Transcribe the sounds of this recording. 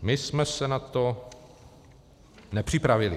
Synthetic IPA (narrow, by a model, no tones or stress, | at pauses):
mɪsmɛsɛnat̪o | nɛpr̝̥ɪpɾavɪlɪ